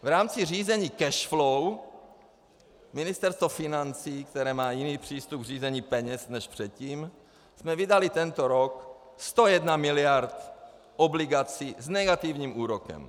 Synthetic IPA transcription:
vɾaːmt͡sɪr̝iːzɛɲiːkɛʃflow | mɪnɪst̪ɛɾst̪vofɪnant͡siːkt̪ɛɾɛːmaːjɪniːpr̝̥iːst̪up̚ɡr̝iːzɛɲiːpɛɲɛsnɛʃpr̥ɛt̪̚ciːm | smɛvɪdalɪt̪ɛnt̪oɾok | st̪o̞jɛdnamɪlɪjaɾt̪ | ʔoblɪɡat͡siznɛɡat̪ɪvɲiːmuːɾokɛ̰m

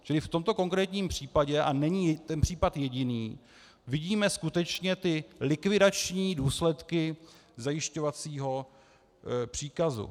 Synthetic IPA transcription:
t͡ʃɪlɪft̪o̞mt̪o̞ko̞ŋkɾɛːt̪ɲiːmpr̝̥iːpaɟɛʔanɛɲit̪ɛnpr̝̥iːpat̪jɛɟɪniː | vɪɟiːmɛskut̪ɛt͡ʃɲɛt̪ɪlɪkvɪdat͡ʃɲiːduːslɛt̪kɪ | zajɪʃco̞vat͡siːɦo̞ | pr̝̥iːkazṵ

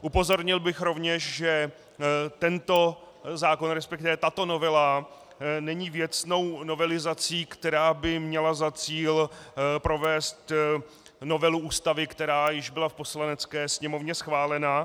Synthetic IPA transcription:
ʔupo̞zo̞ɾɲɪlbɪxɾo̞vɲɛʃʒɛ | t̪ɛnt̪o̞ | zaːko̞nɾɛspɛk̚t̪ɪvɛt̪at̪o̞novɛla | nɛɲiːvjɛt͡sno̞wno̞vɛlɪzat͡siːkt̪ɛɾaːbɪmɲɛlazat͡siːlpɾo̞vɛːst̪ | no̞vɛluuːst̪avɪkt̪ɛɾaːjɪʒbɪlafposlanɛt͡skɛːsɲɛmo̞vɲɛsxvaːlɛna

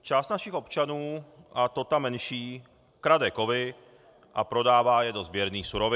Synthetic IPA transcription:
t͡ʃaːst̪naʃiɣɔpt͡ʃanuːat̪ɔt̪amːɛnʃiː | kɾad̪ɛːkɔʋi | ʔa̰pɾɔd̪aːʋajɛd̪ɔzbɪɛɾniːxsuɾɔʋi

